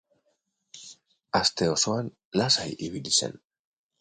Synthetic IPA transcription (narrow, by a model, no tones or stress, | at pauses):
ast̪e̞o̞so̞an | lasajiβilise̞̰n